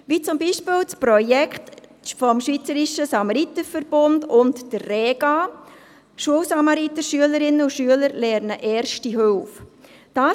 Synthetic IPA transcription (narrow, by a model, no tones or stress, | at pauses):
ʋiːt͡sʊmbiːʃpɪːlt͡spɾɔjɛkχtfɔmʃʋiːt͡səɾiʃəsɑmɑɾitəfəɾb̥ʊndʊntd̥ərrɛːɡ̥ɑ | ʃuəlsɑmɑɾitəʃyələɾɪnəuʃyələɾlɛːɾnəʔɛːɾʃtiɦølf | d̥aː